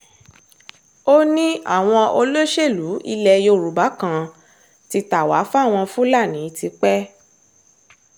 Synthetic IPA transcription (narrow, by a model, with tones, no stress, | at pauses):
o˦nĩ˦a̰˦˨w̃ɔ̃˧ʔo˧lo˦ʃe˦˨lu˨˦ʔi˧lɛ˧jo˧˨ɾu˨ba˨˦kã˨ | ti˧ta˨wa̰˨˦fw̃ɔ̃˧fũ˦la˦˨nĩ˨˦ti˧˦k͡pɛ˦